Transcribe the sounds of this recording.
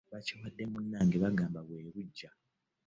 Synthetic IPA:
βaciwadːe̞munːaːŋɡe̞βaɡaːmbaβwe̞ːβuɟːa

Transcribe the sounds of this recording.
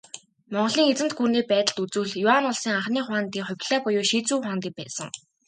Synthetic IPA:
mɔɴɢ̆ɮiːŋet͡sɘ̆mt̪̚ɡurniːpæːt̪ə̆ɮt̪ut͡sŭːɮjʊanʊɮsiːŋaχniːχʊaːnt̪iːŋχʊ̟wʲpʲɮ̥æːpʊjʊːʃiːt͡suːχaːnt̪iːk̚pæ̰ːsə̰̆ŋ

